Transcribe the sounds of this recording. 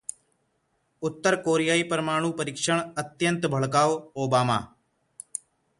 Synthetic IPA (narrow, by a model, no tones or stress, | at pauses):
ʊt̪ːəɾkoːɾijaːiːpɾəmaːɽ̃uːpəɾɪkʃəɳ̃ət̪jə̃nt̪bʱəɭkaːʋoːbaːma̰ː